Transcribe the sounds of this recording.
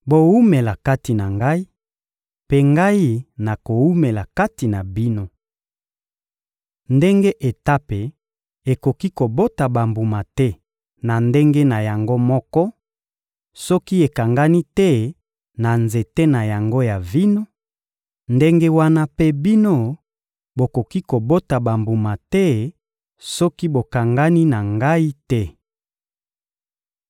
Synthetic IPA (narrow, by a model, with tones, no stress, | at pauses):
bo˦wu˦me˨la˨ka˦ti˨na˨ŋɡa˦i˦ | pe˦ŋɡa˦i˦na˨ko˨wu˦me˨la˨ka˦ti˨na˨bi˦no˦ | nde˦ŋɡe˦ʔe˨ta˦pe˨ | e˨ko˨ki˦ko˨bo˦ta˨ba˨mbu˨ma˨tɛ˦ | na˨nde˦ŋɡe˦na˨ja˨ŋɡo˦mɔ˦kɔ˦ | sɔ˦ki˦e˨ka˨ŋɡa˦ni˦tɛ˦ | na˨nze˨te˦na˨ja˨ŋɡo˦ja˨vi˦no˦ | nde˦ŋɡe˦wa˦na˦pe˦bi˦no˦ | bo˨ko˨ki˦ko˨bo˦ta˨ba˨mbu˨ma˨tɛ˦ | sɔ˦ki˦bo˨ka˨ŋɡa˦ni˦na˨ŋɡa˦i˦tɛ˦